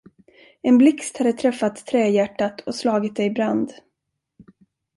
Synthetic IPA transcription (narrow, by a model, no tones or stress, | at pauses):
ɛnblɪkst̪had̪ːət̪ʰɾɛfːat̪ʰːɾɛːjæʈːat̪ʰɔslɑːɡɪt̪̚d̪ɛjɪbɾand̪